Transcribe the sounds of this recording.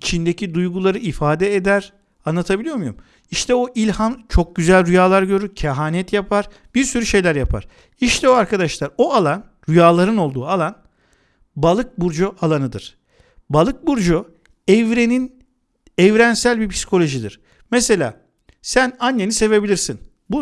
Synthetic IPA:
it͡ʃʰind̪ecʰid̪ujɡulˠaɾɯifaːd̪ɛed̪æɾ̥ | anˠat̪ʰabilʲijo̞mujṵm | iʃt̪ʰɛoʔilʲhant͡ʃʰo̞k̚ɟyzælʲɾyjaːlˠaɾɟø̞ɾycʰaɦaːnɛt̪japʰaɾ | b̥iɾsyɾyʃe̞jlʲæɾjapʰa̰ɾ̥ | iʃt̪ʰɛoaɾkʰad̪aʃlˠaɾoalˠan | ɾyjaːlˠaɾɯno̞lˠd̪uːalˠan | balˠɯk̚buɾd͡ʒuʔalˠanɯd̪ɯɾ̥ | balˠɯk̚buɾd͡ʒu | ɛvɾe̞nin | ɛvɾænsælʲbipʰi̥si̥kʰo̞lʲo̞ʒid̪iɾ̥ | mɛse̞lʲa̰ː | sænanːe̞nise̞ve̞bilʲiɾsin | bu

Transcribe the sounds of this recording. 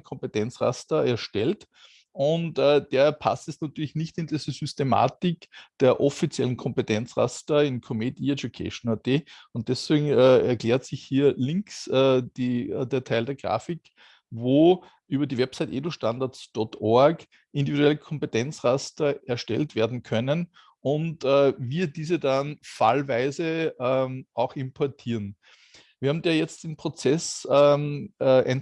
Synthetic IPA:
kʰɔ̃mpetɛnt͡sʁa̰stɐɛɐʃtɛlt | ʊntɛd̥eːɐpʰa̰stɛsnatyːɐlɪçnɪçtɪndiːzəsʏstema̰ːtɪkd̥eːɐʔɔfit͡sjɛ̰lən̩kʰɔ̃mpetʰɛnt͡sʁa̰stɐɪnkʰomedied͡ʒjukʰɛ̰ʃonad̥eːʊnt̚d̥ɛsv̥eːɡŋ̩ɛɛɐkl̥eːɐtsɪçhiːɐlɪ̃ŋksɛd̥ideːɐtʰæɪldeːɐɡ̥ʁa̰ːfɪk | voː | ʔyːbɐdiːvɛpsaɪtʔḛːdoʃtãndaɐtsd̥ɔtʔɔɐɡ | ʔɪndividuɛləkʰɔ̃mpetʰɛnt͡sʁastɐɛɐʃtɛ̰ltv̥eːɐdn̩kʰœnən | ʊntːviːɐdiːzədanfa̰lvæɪzə | ʔaʊxɪmpʰɔɐtʰiːɐn | viɐaːm̩daːjɛt͡st̚d̥enpʁ̥ot͡sɛs | ʔɛn

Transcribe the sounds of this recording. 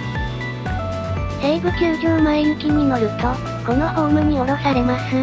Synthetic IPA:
heiɡɯ̟kʲɨːɡʲoːmaeɲɯkʲiɲ̟ino̞ɾɯ̟t̪o̞ | ko̞no̞ho̞ːmɯ̟ɲ̟io̞ɾo̞saɾe̞masɨ

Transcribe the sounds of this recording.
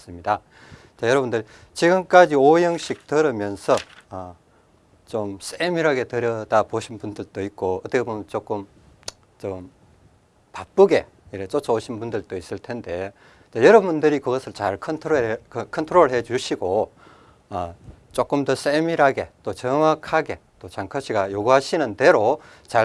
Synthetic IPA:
s͈ɯmɲida | t͡ɕajʌɾʌbundɯɭ | t͡ɕiɡɯmk͈ad͡ʑiojʌŋɕʰik̚tɯɾɯmjʌnsʰʌː | t͡ɕoms͈emiɾɦaɡe̞tɯɾjʌdapoɕʰinpundɯɭt͈oik̚k͈oʌt͈ekʰebomʌnt͡ɕ͈ok͈ɯm | t͡ɕom | pap͈uɡe̞̰ | iɾet͡ɕ͈ot͡ɕʰʌoɕʰinbundɯɭt͈ois͈ɯɭtʰe̞nde̞ | t͡ɕejʌɾʌbundɯɾikɯɡʌsʰɯɭt͡ɕaɭkʰʌntʰoɾkkʰʌntʰoɾoɾɯɭhe̞d͡ʑuɕʰiɡoː | t͡ɕ͈ok͈ɯmdʌs͈emiɾaɡe̞t͈ot͡ɕʌŋwakʰaɡe̞t͈ot͡ɕaŋkʰaɕʰiɡajoɡuɦaɕʰinɯnde̞ɾo | t͡ɕa

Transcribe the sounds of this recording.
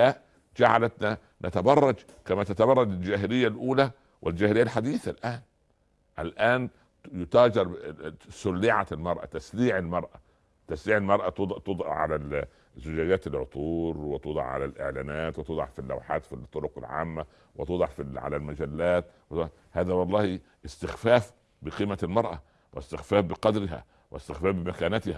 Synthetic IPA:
æʔ | d͡ʒaʕalat̪na | nat̪abɑrˤːɑd͡ʒ | kæmæt̪at̪abɑrˤːɑd͡ʒɪld͡ʒæːɦɪlɪjːalʔuːlæ | wʔɪld͡ʒæːhlɪjːalħad̪iːθalʔaːn | ʔalʔaːn | jʊt̪ɑːd͡ʒɑɾˤsʊlːɪʕalmɑɾˤʔa̰t̪asliːʕɪlmɑɾˤʔa | t̪æsliːʕɪlmɑɾˤʔat̪d̪ˤt̪od̪ˤɑ̰ʕa̰læ | zʊd͡ʒæːd͡ʒæːt̪ɪlʕo̰t̪ˤuːɾwɪt̪od̪ˤɑ̰ʕʕa̰lælʔɪ̰ʕlæːnæːt̪wet̪od̪ˤɑ̰ʕfilːa̰wħa̰ːt̪fit̪ˤːoɾoqɪ̰lʕa̰ːmːæ | wɪt̪od̪ˤɑʕfiʕa̰lælmæd͡ʒælːæːt̪w̪ | hæːðæwɑlˤːɑːhi | ɪst̪ɪxfæːf | bɪqiːmælmɑɾˤʔæ̰ | wʔɪst̪ɪxfæːfbɪqɑd̪ɾɪɦæ̰ | wʔɪst̪ɪxfæːfbɪmækæːnæt̪ɪhæ

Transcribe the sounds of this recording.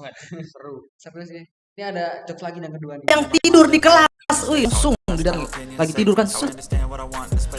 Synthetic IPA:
ɾu | s | niadad͡ʒɔklaɡijaŋkəduajaŋt̪idʊrdikəla | sujŋsʊŋŋdidaŋlaɡit̪idʊrkansut̪

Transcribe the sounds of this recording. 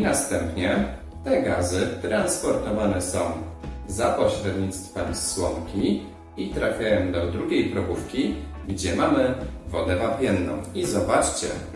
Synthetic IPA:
nast̪ɛmpɲɛ | t̪ɛɡazɘt̪ɾanspɔɾt̪ɔvanɛsɔ̃w̃zapɔɕɾɛd̪ʲɲit̪st̪fɛmswɔŋkʲi | it̪ɾafʲjajɔ̃w̃d̪ɔd̪ɾuɡʲejpɾɔbufkʲi | ɡd͡ʑɛmamɘvɔd̪ɛvapʲjɛnːɔ̰̃w̃izɔbat͡ʂt͡ɕɛ̰

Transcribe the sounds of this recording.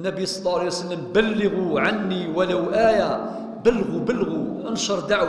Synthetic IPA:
nːæbijsˤɑlˤːɑʕaælejwsəlːəmbəlːəɣuʕanːiwələwʔæja | bəlːɣubəlːɣu | ənʃəɾˤd̪aʕw

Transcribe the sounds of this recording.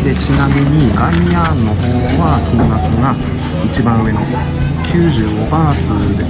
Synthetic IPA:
d̪e̞t͡ɕinamʲiɲ̟iɡaijanːo̞hoː | βat̪ʰonakoɡa | it͡ɕibãɰ̃ɯ̟e̞no | kʲʰɨːʑɨːɡobaːt͡sɨd̪e̞s

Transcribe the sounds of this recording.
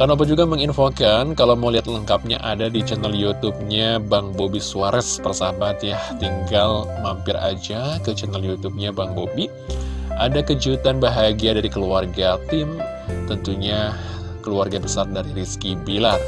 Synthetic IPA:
karnop̬əd͡ʒuɡaməŋinfokankalawmoliɦat̪ləŋkap̚ɲa̰ʔadadit͡ʃənaljut̪up̚ɲabaŋbobisuaɾɛspərsabat̪jaht̪iŋɡalmampɪra̰d͡ʒakət͡ʃənəljut̪ub̚ɲabaŋbobi | ʔadakəd͡ʒut̪anbaɦaɡiadaɾikəluarɡat̪ɪm | t̪ənt̪uɲa | kəluarɡabəsardaɾiɾiskibilat̚

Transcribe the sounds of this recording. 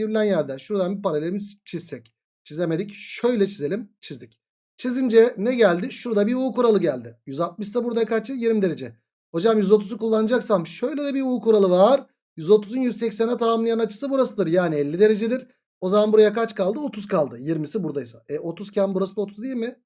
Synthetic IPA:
iɾlʲænjæɾd̪ɛʃuɾd̪anbipaɾalʲeimizt͡ʃʰizsɛc | t͡ʃʰizlʲeme̞d̪icʃø̞jlʲɛt͡ʃʰize̞lʲimt͡ʃʰizd̪ic | t͡ʃʰizind͡ʒɛnɛɟælʲd̪ɪʃuɾd̪abiuːkuɾalˠɯɟælʲd̪ɪjyzat̪̚mɯʃsabuɾd̪akʰat͡ʃ̪ɯjiɾmid̪e̞ɾe̞d͡ʒɛ | ho̞d͡ʒamjyzo̞t̪ʰuzukulˠːanɯd͡ʒaksamʃø̞jlʲed̪ɛbiuːkuɾalˠɯvaɾ̥ | jyzo̞t̪ʰuzunjyzsɛcsænɛt̪ʰamamlˠjanat͡ʃʰɯ̥sɯbuɾasɯd̪ɯɾjaːnɪɛlʲːid̪e̞ɾe̞d͡ʒɛd̪iɾ̥ | o̞zamanbuɾajakʰat͡ʃkalˠd̪ɯo̞t̪ʰuzkalˠd̪ɯjiɾmisibuɾd̪ajsaɛʔo̞t̪ʰuzcʰænbuɾasɯd̪ˠo̞t̪ʰuzd̪ijilʲmɪ

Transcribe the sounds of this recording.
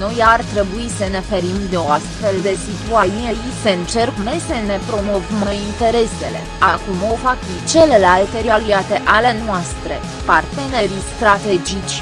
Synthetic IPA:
no̞jart̪ɾe̞buisəne̞fe̞ɾimd̪eo̞ast̪fe̞ld̪e̞sit̪uajieiseɨnt͡ʃe̞rkmesəne̞pɾo̞movməint̪e̞ɾe̞se̞̰le̞̰akumo̞fak̚pit͡ʃe̞le̞lalt̪e̞ɾialiat̪e̞ʔale̞nwast̪ɾe̞ | part̪e̞ne̞ɾist̪ɾat̪e̞d͡ʒit͡ʃʲ

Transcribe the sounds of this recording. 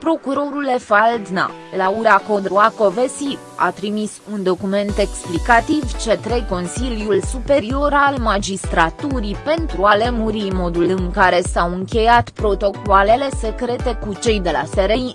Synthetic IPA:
pɾo̞kuɾo̞ɾulefald̪na̰ | lauɾako̞d̪ɾuako̞vesi | a̰t̪ɾimisund̪o̞kume̞nt̪e̞ksplikat̪ivt͡ʃet̪ɾe̞jko̞nsiljulsupe̞ɾio̞ɾalmad͡ʒist̪ɾat̪uɾipe̞nt̪ɾuale̞muɾimo̞d̪ulɨŋkaɾe̞sawɨŋkʲe̞jat̪pɾo̞t̪o̞koale̞le̞se̞kɾe̞t̪e̞kut͡ʃe̞jd̪e̞la̰seɾej

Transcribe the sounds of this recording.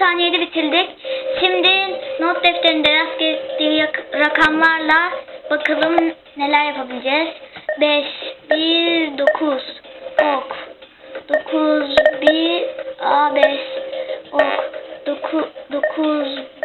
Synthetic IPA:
saːnijed̪ɛbit̪ʰilʲd̪icʃimd̪ɪnot̪̚d̪ɛft̪eɾind̪ɛɾascet̪d̪iːɾakʰamvaɾlˠabakʰɯlˠɯm | ne̞lʲæɾjapʰabilʲid͡ʒɛz̥bɛʃbid̪o̞kʰuz̥ok | d̪̥o̞kʰuzbi | abɛʃ | okd̪̥okʰud̪okʰuz

